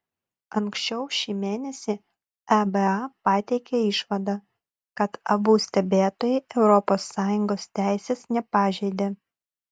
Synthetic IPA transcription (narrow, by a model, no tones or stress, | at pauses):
ɐŋksʲt͡ʃʲɛʊʃʲiːmʲeːnʲɛsʲiː | æbɛɑpɑːt̪ʲɛɪkʲeɪʃʋɐd̪ɑ | kɐt̪ɐbuːsʲt̪ʲɛbʲeːt̪oːjɛɪɛʊɾɔpoːsːɑːjʊŋɡoːst̪ʲæˑɪsʲeːsnʲɛpɑːʒʲɛɪd̪ʲeː